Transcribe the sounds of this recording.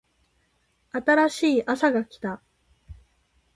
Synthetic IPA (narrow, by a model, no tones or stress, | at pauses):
at̪aɾaɕiːʔasaɡakʲi̥t̪a